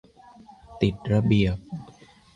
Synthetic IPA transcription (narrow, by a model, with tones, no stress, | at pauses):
t̪i˨˩t̪̚ɾa˧bi˨˩əp̚